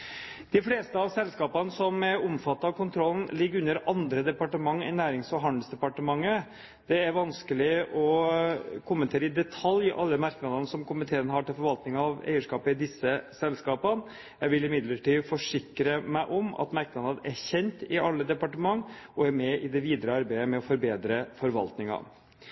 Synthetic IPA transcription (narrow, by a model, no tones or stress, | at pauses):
d̪̥ɪfleːst̪əɑʋsɛlːskɑːpənəsɔmɛɾɔmfɑt̪ːɑkʊnt̪ʰɾɔlːn̩lɪɡːəɾʉnːəɾɑnd̪ɾəd̪ɛpɑʈəmɑŋːɛ̰næːɾɪŋsɔɦɑnd̪əlsd̪ɛpɑʈəmɑŋːə | d̪̥ɛæɾʋɑnskəlɪɔ | kʰʊmːənt̪ʰeːɾəɪd̪ɛt̪ʰɑljʔɑ̰lːəmɑɾknɑd̪ənəsɔmkʊmɪt̪ʰeːənɦɑʈɪlfɔɾʋɑlt̪nɪŋɑʋæ̰ɪəʂkɑːpəɪd̪ɪsːəsɛlskɑːpən | jæɪʋɪlɪmɪd̪ləʈiːfɔʂɪkɾəmæɪʔɔmɑ̰t̪mɑɾk̚nɑɑæçɛnt̪ɪʔɑlːəd̪ɛpɑʈəmɑŋːɔæɾmɛʔɪd̪ɛʋiːd̪ɾəɑɾbæɪəmɛɔfɔɾbeːd̪ɾəfɔɾʋɑ̰lt̪nɪŋɑ̰